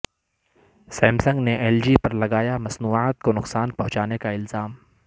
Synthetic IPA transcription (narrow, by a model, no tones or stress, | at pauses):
sɛːmsɐ̃ŋɡneʔɛːld͡ʒipɐɾlɐɡaːjamɐsnuːaːt̪̚konʊqsaːnpɐ̃ɦʊ̃t͡ʃaːnekaɪlzaːm